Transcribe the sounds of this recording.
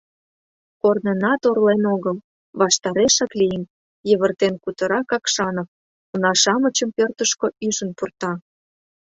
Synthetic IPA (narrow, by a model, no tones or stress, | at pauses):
kornenɑt̪orlenoɣəl | βɑʃt̪ɑɾeʃɑklijən | jəβə̆rt̪enkut̪ə̆ɾɑkɑkʃɑnof | unɑʃɑmət͡ɕəmpørt̪əʃkoyʒənpurt̪ɑ